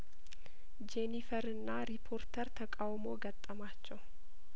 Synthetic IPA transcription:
d͡ʒenifəɾɨnːaɾipʰo̞ɾt̪ʰəɾt̪ʰəkʼawmo̞ɡət̪ʼːəmat͡ʃːɛw

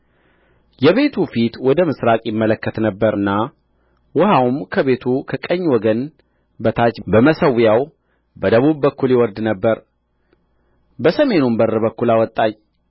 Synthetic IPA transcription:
jɛβe̞t̪ʰufit̪wɔd̪əmɨsɾakʼjɪmːələkːət̪nəbːəɾɨnːa | wʊhawmkʰəβe̞t̪ʰukʰəkʼəɲːwɔɡən | bət̪ʰat͡ʃbəməsəwjaw | bəd̪əβubːəkːuljɛwɔɾd̪nəbːəɾ | bəsəme̞numbərɨbəkːulawɔt̪ʼːaɲ

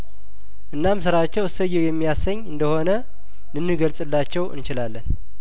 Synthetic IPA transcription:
ʔɨnːamsɨɾat͡ʃːɛwɨsəjːɛwjɛmːijasəɲːɨnd̪əho̞nə | lɨnːɨɡəlsʼɨlːat͡ʃːɛwɨ̰nt͡ʃɪlalːən

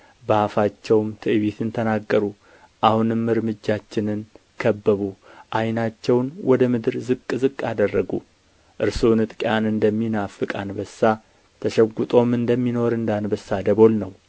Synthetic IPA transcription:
bəafat͡ʃːɛwmt̪ʰɨɨβit̪ʰɨnt̪ʰənaɡːəɾu | ʔahunɨmːɨɾmɨd͡ʒːat͡ʃːɪnɨn | kʰəbːəβuʔajnat͡ʃːɛwnwɔd̪əmɨd̪ɨɾzɨkʼːzɨkʼːad̪ərːəɡṵ | ʔɨɾsonɨt̪ʼkʼjanɨnd̪əmːinafɨkʼanbəsːa | t̪ʰəʃɛɡʷːut̪ʼo̞mɨnd̪əmːino̞ɾɨnd̪anbəsːad̪əβo̞lnəw

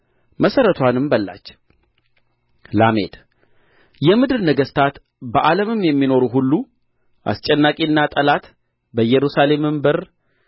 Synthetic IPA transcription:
məsəɾət̪ʰwanɨmbəlːa̰t͡ʃː | lame̞̰t̪ | jɛmɨd̪ɨlnəɡəst̪ʰat̪ | bəʔaləmɨmjɛmːino̞ɾuɦulːu | ʔa̰st͡ʃʼɛnːakʼiɨnːat̪ʼəlat̪ | bəjɛɾusale̞mɨmbɨɾ

